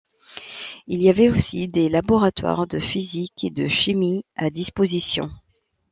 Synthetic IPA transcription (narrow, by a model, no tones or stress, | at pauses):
ilijavɛosid̪elabɔʁat̪wa̰ʁd̪əfizikʰed̪əʃimiad̪ispozisjɔ̰̃